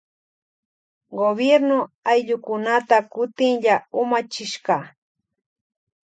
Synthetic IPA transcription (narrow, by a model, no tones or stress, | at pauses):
ɡobjeɾnʊajʎʊkʊnat̪akʊt̪ɪŋʎaʊmat͡ʃɪʃɢɑ